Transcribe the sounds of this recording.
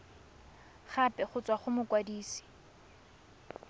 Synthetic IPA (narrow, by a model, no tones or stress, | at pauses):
χapʼɛχʊt͡sʼwaχʊmʊkwadiːsi̥